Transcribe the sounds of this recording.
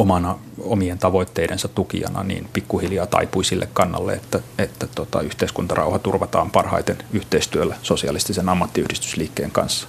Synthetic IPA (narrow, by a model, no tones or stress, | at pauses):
omɑnɑ | omient̪ɑʋoit̪ːeiɾensɑt̪ukḭɑ̰nɑ̰nḭːnpikːuhiljɑːt̪ɑ̰ipuisilːekkɑnːɑ̰lːḛet̪ːæet̪ːæt̪ot̪ɑ̰yht̪eiskunt̪ɑrʔɑ̰uhɑt̪urʋɑt̪ɑːmpɑrhɑ̰it̪enyht̪eist̪yølːæsosiɑlist̪isenɑmːɑt̪ːiyhdist̪y̥sliːkːeːŋkɑ̰nsːɑ̥